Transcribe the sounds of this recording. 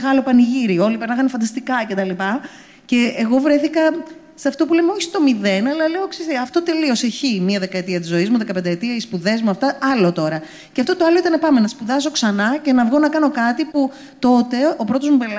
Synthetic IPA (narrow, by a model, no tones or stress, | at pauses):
ɣɐlo̞pɐniʝiɾio̞lipeɾnɐxɐnefɐnd̪ɐst̪ikɐce̞t̪ɐlipɐ | ce̞ːɣo̞vɾe̞θikɐ | sɐft̪o̞pulemeoçi̥st̪o̞miðe̞nɐlɐleoksiseɐft̪o̞t̪e̞lio̞seçimiɐðekɐet̪iɐt̪izo̞izmuðekɐpend̪ɐet̪iɐispuðe̞zmuɐft̪ɐɐlo̞t̪o̞ɾɐ | ceɐft̪o̞t̪oɐloit̪ɐnepɐmenɐspuðɐso̞ksɐnɐce̞nɐvɣo̞nɐkɐno̞kɐt̪ipu | t̪o̞t̪e̞o̞pɾo̞t̪o̞zmupel